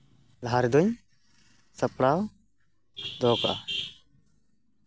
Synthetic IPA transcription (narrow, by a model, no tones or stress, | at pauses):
laɾd̪uɲ | sɐpɽaw | d̪ɔka̰